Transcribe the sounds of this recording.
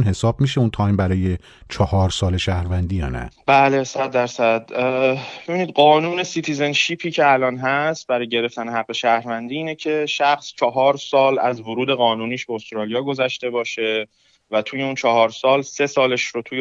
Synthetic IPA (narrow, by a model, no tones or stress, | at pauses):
nɦe̞sɒːb̥̚miʃeunt̪ʰɒːjmbæɾɒːje̞ | t͡ʃʰɒhɒːɾsɒːleʃæhɾvænd̪iːjɒ̰ːnæ̰b̥æːlesæd̪ːæɾsæd̪̥ | b̥e̞biːniːd̪̚ɢɒːnuːne̞sit̪ʰize̞nʃiːpʰiːcʰe̞ælɒːnɦæst̪̚bæɾɒːjɟe̞ɾe̞ft̪æneɦæɣːe̞ʃæːhɾvænd̪iːiːnecʰe̞ʃæxst͡ʃʰɒɦɒːɾsɒːlæzvoɾuːd̪e̞ɣɒːnuniːʃbeost̪ɾɒːlijɒːɡo̞zæʃt̪e̞bɒːʃe̞ | væt̪ʰuːje̞unt͡ʃʰɒhɒːɾsɒːlse̞sɒːleʃɾot̪ʰuj